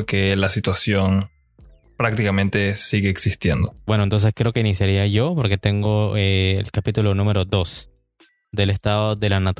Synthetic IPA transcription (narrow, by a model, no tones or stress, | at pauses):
kelasit̪wasjo̞n | pɾak̚t̪ikamẽnt̪e̞siɣe̞ːksist̪jend̪obwe̞nont̪o̞nse̞skɾe̞o̞keinisjaɾiaʝo̞po̞ɾke̞t̪e̞ŋɡo̞ḛːlkapit̪ulo̞nũme̞ɾo̞ðo̞s | d̪e̞le̞st̪aðoðe̞lanat̪